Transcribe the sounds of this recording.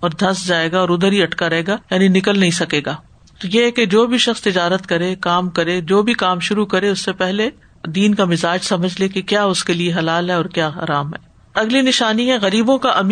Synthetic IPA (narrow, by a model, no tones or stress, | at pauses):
ɔːɾd̪ʱɐsd͡ʒaːeːɡaɔːɾʊd̪əɾiɐʈkaɾɐɦeːɡajaːninɪkəlnɐɦĩsɐkeːɡaː | t̪ojeɦɛked͡ʒoːbʱiʃɐxst̪ɪd͡ʒaːɾət̪kɐɾekaːmkɐɾed͡ʒoːbʱikaːmʃʊɾukɐɾeʊsːepɛɦle | d̪iːnkamɪzaːd͡ʒsɐməd͡ʒʱlekekjaːʊskelieɦɐlaːlɦɛɔːɾkjaːa̰ːɾaːmɦɛ̰ː | ɐɡlinɪʃaːniɦɛ̃ɣɐɾiːbõkaʔɐm